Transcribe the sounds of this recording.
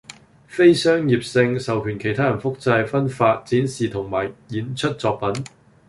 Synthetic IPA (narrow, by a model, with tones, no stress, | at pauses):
fe˥jsœː˥ŋjiː˨p̚sɪ˧ŋsɐ˨wkʰyː˨˩nkʰe˨˩jt̪ʰaː˥jɐ˨˩nfʊ˥k̚t͡sɐ˧jfɐ˥nfaː˧t̚t͡siː˨˥nsiː˨t̪ʰʊ˨˩ŋmaː˨˩jjiː˨˥nt͡ʃʰɵ˥t̚t͡sɔː˧k̚pɐ˨˥n